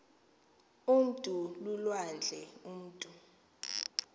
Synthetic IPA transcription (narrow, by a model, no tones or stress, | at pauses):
um̩tʼululwand͡ɮʱɛum̩ːtʼu